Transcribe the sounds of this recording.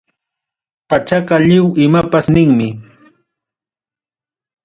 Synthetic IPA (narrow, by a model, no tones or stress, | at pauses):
pat͡ʃaqɑʎɪwɪmapasnɪŋmɪ